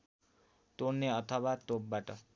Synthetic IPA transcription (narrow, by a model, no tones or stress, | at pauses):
t̪onneʌt̪ʰʌwat̪ob̚baʈʌ